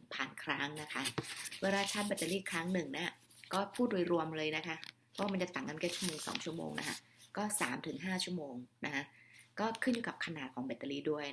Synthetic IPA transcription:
pʰaː˨˩nkʰɾa˦˥ŋna˦˥kʰa˦˥weː˧laː˧t͡ɕʰa˦˥t̪̚ba˨˩t̪ːa˧liː˥˩kʰɾa˦˥ŋnɯ˨˩ŋna˦˥ɐ | kɔː˥˩pʰuː˥˩t̪̚ɾu˧jɾu˧əmlɤː˧jna˦˥kʰa˦˥ | ɔː˦˥˩ma˧nt͡ɕa˨˩t̪a˨˩ŋːka˧nkɛː˦˥˩t͡ɕʰu˥˩moː˧ŋsɔ̰ː˩˦ŋt͡ɕʰu˥˩əmo̰ː˧ŋnʔa̰˦˥kʰa̰˦˥ | kɔː˥˩saː˩˦mt̪ʰɯ˨˩˦ŋɦaː˥˩t͡ɕʰu˥˩əmoː˧ŋna˦˥kʰa˦˥kɔː˥˩kʰɯ˥˩njuː˧˩ka˨˩p̚kʰa˧naː˨˩t̪̚kʰɔː˩˦ŋba˨˩t̪ːa˧liː˥˩du˥˩əj

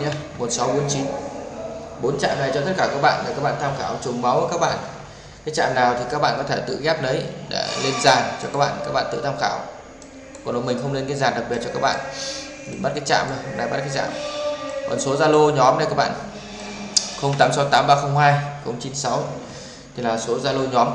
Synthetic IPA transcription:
ɲa˧mo˨˩t̚sa˨˦wɓo˨˦ənt͡ɕi˨˦n | ɓo˨˦nt͡ɕa̰ː˧˨mna˨˩jt͡ɕɔ˧t̪ʰə˦˥t̚kaː˧˩kaː˦˥k̚ɓa̰ː˧˨na˨˩kaː˦˥k̚ɓaː˧˨nt̪ʰa˧mxaː˧˩wt͡ɕʊ˨˩ŋ͡mma˨˦wə˨˦kaː˦˥k̚ɓa̰ː˧˨n | kaː˨˦jt͡ɕa̰ː˧˨mnaː˨˩wt̪ʰi˨˩kaː˦˥k̚ɓa̰ː˧˨kɔ˨˦t̪ʰe˧˩t̪ɨ̰˧˨ɣɛ˦˥p̚ɗə˨˦jɗa̰ː˧˥le˧nzaː˨˩nt͡ɕɔ˧kaː˦˥k̚ɓa̰ː˧˨kaː˦˥k̚ɓ̰aː˧˨t̪ɨ̰˧˨t̪ʰːmxaː˧˩w | kɔ˨˩nɗo˨˦jmï˨˩ŋ̟xə˧wŋ͡mle˧nkaː˧˨˦jzaː˨˩nɗa˨˩k̚ɓi˨˩t̚t͡ɕɔ˧aː˦˥k̚ɓa̰ː˧˨n | mi˨˩ɓa˦˥t̚kaː˨˦jt͡ɕa̰ː˧˨mə˧na̰˧˩ɓa˦˥t̚kaː˨˦jza̰ː˧˨mkɔ˨˩nso˨˦zaː˧lo˧ɲɔ˨˦mna˧jkaː˦˥k̚ɓa̰ː˧˨n | xə˧wŋ͡mt̪aː˨˦msa˨˦wt̪aː˨˦mɓaː˧xə˧wŋ͡mhaː˧jxə˧wŋ͡mt͡ɕi˨˦nsa˨˦w | t̪ʰi˨˩laː˨˩so˨˦zaː˧lo˧ɲɔ˨˦m

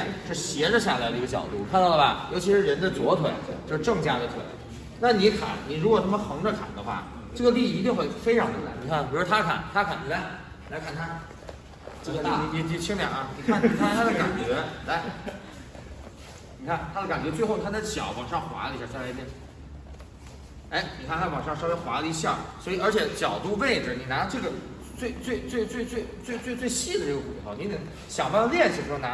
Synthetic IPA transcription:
ʂ̩˥˩ɕjɛ˧˥ʈ͡ʂə˧ɕ̬ja˥˩la˧˥ɪd̪ə˧i˧˥ɡə˧t͡ɕjɑ̰˨˩ʊt̪u˥˩kʰa˥˧nɑ˥˩lɐ˨˩jo˧˥ʊt͡ɕʰi˧˥ʂɻ̩˥˩ɻə˧˥nd̪ə˧t͡swɔ˧˥t̪ʰwə̰˨˩˦nt͡ɕjo˥˧ʂɻ̩˧ʈ͡ʂɤ˥˩˧ŋt͡ɕja˥˧d̪ə˧t̪ʰwə̰˨˩˦n | na˥˩ni˧˥kʰa̰˨˩˦nni˨˩ɻu˧˥kwɔ˨˩t̪ʰa˥mə˨xɤ˧˥ŋʈ͡ʂə˧kʰa̰˨˩nd̪ə˦xwa̰˥˩ | ʈ͡ʂɤ˥˩ɡə˩li˥˧˨t̪̬i˥˧ŋxwe˥˩ɪfe˥ɪʈ͡ʂʰɑ˧˥ŋə˧kʰa˨˩ni˨˩kʰa˥˩nʰi˨˩˥u˥t̪ʰa˥kʰa̰˨˩˦nt̪ʰa˥kʰa˨˩n˩a˥˩ | i˨˩la˧˥ɪkʰa˥˩nt̪ʰa˥ | ʈ͡ʂɤ˥˧˩ɡə˧˥˩i˥i˥t͡ɕi˥˧t͡ɕʰi˥ŋljɑ˨˩ŋɐ˩ni˨˩kʰa˥˩n˧˥t̪ʰa˥˧t̪ʰa˥d̪ə˧ka˨˩nt͡ɕɥɛ˧˥t͡sa˥˩ɪ | nni˨˩kʰa˥˩nt̪ʰa˥d̪ə˧ka˨˩nt͡ɕɥɛ˧˥t͡swe˥˧ɪxo˥˩ʊt̪ʰa˥t͡sa˥˩ɪɕjɑ̰˨˩˦ʊwɑ˨˩ŋʂɑ˥˩ŋxwa̰˧˥lə˧˥ɕjɑ˥˩ɕja˥˧˥la˥˧jɛ˥n˩ | e˧˥ɪni˨˩kʰa˥˩nt̪ʰa˥wɑ˨˩ŋʂɑ˥˧ŋʂɑ˥˧ʊje˥˩ɪxwa̰˧˥lə˧i˧˥ɕjɑ˥˩swɔ˧˥i˨˩ə˞˧˥t͡ɕʰjɛ˨˧˥t͡ɕjɑ˨˩ʊt̪u˥˧we˥˩ɪʈ͡ʂ̩˨˩ni˨˩na˧˥˧ʈ͡ʂɤ˥˩ɡə˩ | t͡swe˥˧ɪt͡swe˥˧ɪt͡swe˥˧ɪt͡swe˥˧ɪt͡swe˥˧ɪt͡swe˥˧ɪt͡swe˥˧ɪt͡swe˥˧ɪɕi˥˩d̪ə˩ʈ͡ʂɤ˥˩ɡə˩ku˨˩t̪ʰo˧˥ni˧˥ni˨˩ | ɕjɑ˨˩ŋpa˥˧ljɛ˥˧nɕjo˥˩na˧˥

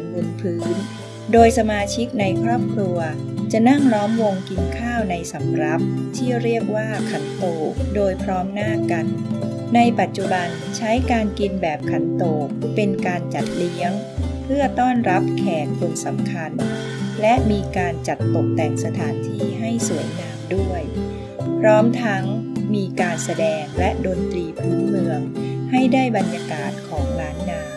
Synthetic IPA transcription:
ɯ˨˩npʰɯː˦˥n | doː˧jsa˧maː˧t͡ɕʰi˦˥k̚na˧jkʰɾɔː˥˩p̚kʰɾu˧ɐt͡ɕa˨˩ʔna˥˩ŋɾɔː˦˥mwo˧ŋki˧nkʰaː˥˩wna˧jsa˩˦mɾa˦˥p̚t̪ʰiː˥˩ɾi˥˩ək̚waː˥˩kʰa˨˩nt̪oː˨˩k̚doː˧jpʰɾɔː˦˥mnaː˥˩ka˧nː | a˧jpa˨˩t̪̚t͡ɕu˨˩ba˧n | t͡ɕʰa˦˥jkaː˧nki˧nbɛː˨˩p̚kʰa˨˩nt̪oː˨˩k̚pe˧nkaː˧nt͡ɕa˨˩t̪̚li˦˥əŋ | pʰɯ˥˩ɐt̪ɔː˥˩nɾa˦˥p̚kʰɛː˨˩k̚kʰu˧nsa˩˦mkʰa˧n | lɛ˦˥ʔmiː˧kaː˧nt͡ɕa˨˩t̪̚ːo˨˩k̚t̪ɛː˨˩ŋsa˧t̪ʰaː˩˦nt̪ʰiː˧ɦa˥˩jsu˨˩˦əjnaː˧mdu˥˩əj | pʰɾɔː˦˥mt̪ʰa˦˥ŋmiː˧kaː˧nsa˧dɛː˧ŋlɛ˦˥ʔdoː˧nt̪ɾiː˧pʰuː˨˦nmɯ˧əŋha˥˩jdaː˥˩jba˧njaː˧kaː˨˩t̪̚kʰɔː˩˦ŋɾaː˦˥nːaː˧m

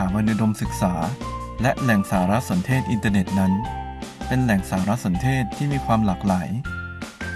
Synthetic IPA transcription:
aː˩˦maː˧nɯ˦˥do˧msɯ˨˩k̚saː˩˦ | lɛ˦˥ʔlɛ˨˩ŋsaː˩˦ɾa˦˥ʔso˩˦nt̪ʰeː˥˩t̪̚ʔi˧nt̪aː˧ne˨˩t̪̚na˦˥npe˧nlɛ˨˩ŋsaː˩˦ɾa˦˥ʔso˩˦nt̪ʰeː˥˩t̪ʰːiː˥˩miː˧kʰwaː˧mlaː˨˩k̚laː˩˦j

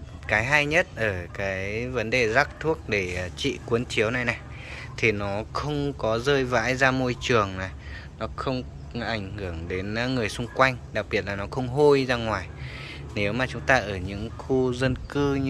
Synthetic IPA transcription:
kaː˨˦jɦa˧jɲə˦˥t̚ʔəː˧˩kaː˨˦jvə˨˦nɗe˨˩za˦˥k̚t̪ʰu˦˥ək̚ɗe˧˩˨t͡ɕḭ˧˨kwu˨˦ənt͡ɕi˨˦əwna˨˩jna˨˩j | t̪ʰi˨˩nɔ˨˦xə˧wŋ͡mkɔ˨˦zəː˧jva̰ː˧˥jzaː˧mo˧jt͡ɕɨ˨˩əŋnaː˨˩ | nɔ˨˦xə˧wŋ͡m | ʔa˧˩jŋ̟hɨ˧˩əŋɗe˨˦nŋɨ˨˩əjsʊ˧ŋ͡mkwa˧jŋ̟ɗa˨˩k̚ɓi˨˩ət̚laː˨˩nɔ˨˦xə˧wŋ͡mɦo˧jzaː˧ŋwaː˨˩j | ne˨˦wmaː˨˩t͡ɕʊ˨˦ŋ͡mt̪aː˧ʔəː˧˩ɲɨ̰˧˥ŋxu˧zə˧nkɨ˧

